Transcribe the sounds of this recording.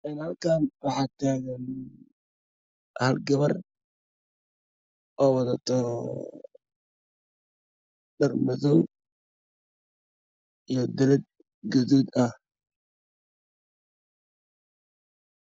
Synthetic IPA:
ʔɪnhɐlkʰaːnwɑħɑːt̪ʰaːɣɛn | hɐlɡɐβɐr | ʔɔːwɑðɐt̪ʰɔ | dɐrmɐðɔ | ijɔd̪ɐlɛd̪̚ | ɡɔðuːd̪ɐh

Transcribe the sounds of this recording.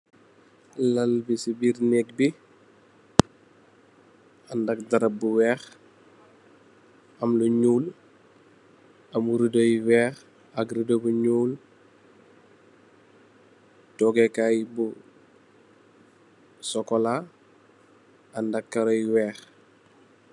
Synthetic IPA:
lɐlbisibiɾnɛk̚bi | ɐndɐk̚dɐɾɐbuwɛːx | ɐmluɲuːl | ɐmuɾidojwɛːx | ɐkɾidobuɲuːl | tɔɡɛkajbu | sɔkɔla | ɐndɐkːɐɾɔjwɛːx

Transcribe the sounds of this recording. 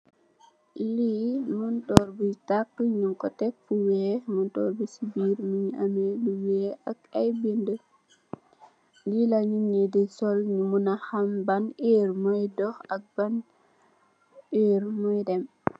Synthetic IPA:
limuntɔːrbutakːɲuŋkɔtɛk̚fuwɛːmuntɔːɾbusibiːɾmiɲameluwɛːʔɐkɐjbində | lilaɲuɲedisɔlɲumunaxambanʔeːɾmɔjdɔxɐk̚b̥an | eːɾmɔjdɛm

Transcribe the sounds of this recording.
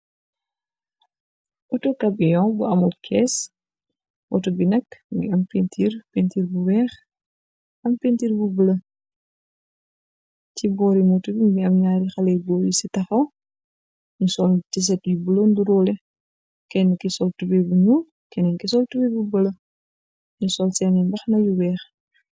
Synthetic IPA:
ɔtukɐbijɔ̃buɐmukʰɛs | wɔ̰tubinɛkɡḭɐmpintʰiːɾpentiːɾbuwɛːx | ɐmpentiːɾbubələ | tibɔːɾimɔtubimɡiɐmɲaːɾixɐlɛbɔːjisitɐxɐw | ɲusɔltis̬ɛtjubulonduɾɔːlɛ | kɛnkisɔltubɛbuɲu | kɛnɛŋkisɔltubɛbubəlɐ | ɲusɔlsɛnɛmbɐxnɐjuwɛːx

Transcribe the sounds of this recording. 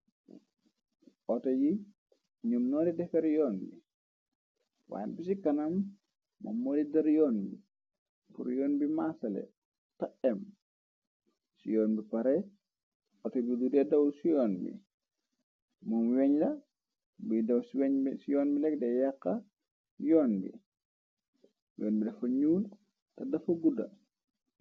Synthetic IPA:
ɔtɔji | ɲumnɔːdidɛfɛɾjɔːnbi | wa̰ːmbisikɐnɐm | mɐ̰mːoːdidɐɾjɔːnbi | pṵɾjɔːnbimasɐlɛ̰ | tɐʔɛm | sijɔːnbipɐɾɛ | ɔtɔbidudɛdɐwsijɔːnbḭ | munwɛɲlɐ | bidɐwssijɔːnbilɛk̚dɛjɐkːɐ | jɔːnbḭ | jɔːnbidɐfɐɲuːn | tɐdɐfɐɡudɐ̰

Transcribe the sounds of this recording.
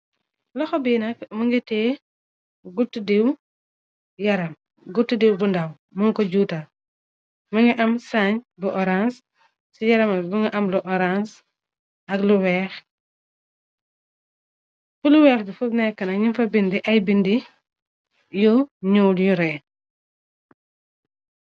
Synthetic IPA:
lɔxɔbiːnɐkmuŋɡitɛː | ɡutːudiw | jɐɾɐm | ɡutːudiwbundaw | muŋkɔɟuːta | muŋɡiʔɐmsaɲbuʔɔɾans | sijɐɾɐmɐbuŋɡiʔɐmluʔɔɾãns | ɐɡluwɛːx | fuluwɛːxdufuɡnɛkːɐnɐɲinfɐbindiʔɐjbindi | juɲuːljuɾɛː

